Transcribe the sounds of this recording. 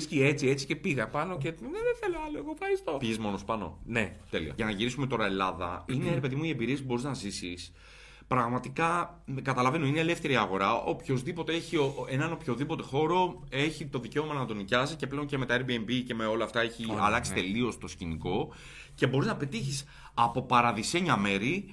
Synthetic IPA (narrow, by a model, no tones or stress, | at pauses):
sciet͡sie̞t͡si̥ce̞piɣɐpɐno̞ceneðeθeloɐloeɣofxɐɾist̪o̞piʝezmo̞nospɐno̞̰ne̞t̪e̞liɐ̰ʝɐnɐʝiɾisume̞t̪o̞ɾɐe̞lɐðɐ̰ineɾe̞pe̞ðimuie̞mbiɾiespubo̞ɾiznɐzisis | pɾɐɣmɐt̪ikɐ | kɐt̪ɐlɐve̞noineːle̞fθe̞ɾiɐɣo̞ɾɐʔo̞pço̞zðipo̞t̪e̞eçioenɐno̞pço̞ðipo̞t̪e̞xo̞ɾo̞ | e̞çit̪o̞ðice̞o̞mɐnɐnɐt̪o̞nicɐsice̞ple̞o̞nce̞me̞t̪ɐeɾbiembice̞me̞o̞lɐːft̪ɐe̞çiɐ̰lɐksit̪e̞lio̞st̪o̞sciniko̞ | ce̞bo̞ɾiznɐpe̞t̪içis | ɐpo̞pɐɾɐðise̞ɲɐme̞ɾi